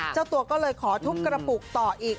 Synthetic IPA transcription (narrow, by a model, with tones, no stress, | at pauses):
t͡ɕaː˥˩wt̪u˧ɐkɔː˥˩lɤː˧jkʰɔː˩˦t̪ʰu˦˥kːɾa˧puː˨˩k̚t̪ɔː˨˩ʔiː˨˩k̚